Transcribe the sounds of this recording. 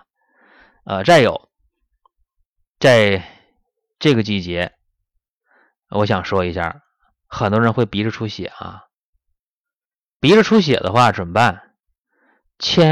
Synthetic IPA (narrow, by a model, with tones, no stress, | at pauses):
ə̰˧t͡sa˥˩ɪjo˨˩˦ʊ | t͡sa˥˧ɪ | ʈ͡ʂɤ˥˩ɡə˩t͡ɕi˥˩t͡ɕjɛ˧˥ | wʔɔ˧˥ɕ̬jɑ˨˩ŋʂwɔ˥i˧˥ɕja̰˥˩ | xə˨˩nt̪wɔ˥ɻə˧˥nxwe˥˩ɪpi˧˥ʈ͡ʂə˧ʈ͡ʂʰu˧˥ɕjɛ̰˨˩˦ɐ̰˧ | pi˧˥ʈ͡ʂə˧ʈ͡ʂʰu˥ɕ̬jɛ̰˨˩d̪ə̰˦xwa˥˩ʈ͡ʂwə˨˩npa˥˩n | t͡ɕʰjɛ˥